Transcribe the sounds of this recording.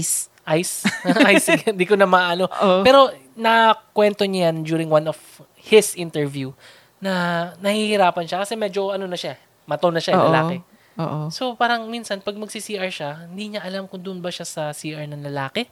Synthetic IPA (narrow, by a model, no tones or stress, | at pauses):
s | ʔajsajsnd̪ikonɐmɐɐno̞pɛːɾo̞ | nɐkwɛnt̪o̞ɲajɐnd͡ʒuːɾɪŋwanof | hɪsʔɪnt̪ɛɹvju | nɐnɐhihɪɾaːpɐnʃakɐsɛmɛːd͡ʒo̞ʔɐno̞nɐʃa | mɐt̪onɐʃalɐla̰ːkɛ | oːʔoso̞paːɾɐŋminsɐnpɐɡ̚mɐɡsisiːʔɐɹʃahɪnd̪iːɲɐʔɐlamkʊŋd̪ʊʔʊnbɐʃasɐsiːʔɐɹnɐŋlɐlaːkɛ